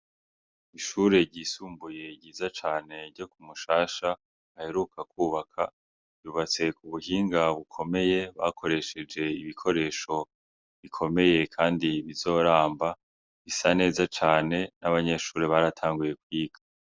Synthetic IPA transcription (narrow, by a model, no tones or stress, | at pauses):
iʃuːɾe̞ɟiːsuːmbuje̞ɟiːzat͡ʃaːne̞ɾɟo̞kumuʃaːʃa | ahe̞ɾukakuːβakʰḁ | uβat͡se̞kuβuhiːŋɡaβukʰo̞me̞je̞βa̰kʰo̞ɾe̞ʃe̞d͡ʒe̞iβikʰo̞ɾe̞ːʃo̞ | βikʰo̞me̞je̞kʰaːndiβizo̞ːɾaːmba | βisane̞ːzat͡ʃaːne̞naβaɲe̞ʃuːɾe̞βaɾatʰaːŋɡuje̞kwiːɡḁ